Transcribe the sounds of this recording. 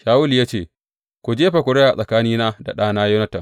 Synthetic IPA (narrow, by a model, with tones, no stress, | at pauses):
ʃaː˦wʊ˦ljaː˦t͡ʃeː˦˨ | kʷu˨d͡ʒeː˦ɸa˨kʷʊ˨ɽeː˦ʔa˨sʼɐ˨kaː˦niː˦naː˦da̰˨ɗaː˦naː˦jo˦na˦tɐ˨